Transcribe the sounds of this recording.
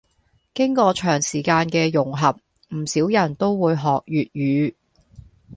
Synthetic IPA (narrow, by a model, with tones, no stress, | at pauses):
kɪ˥ŋkɔː˧t͡ʃʰœː˨˩ŋsiː˨˩kaː˧nkɛː˧jʊ˨˩ŋɦɐ˨p̚ | m̩˨˩siː˨˥wjɐ˨˩nt̪o˥wwuː˨˧jɦɔː˨k̚jyː˨t̚jyː˨˧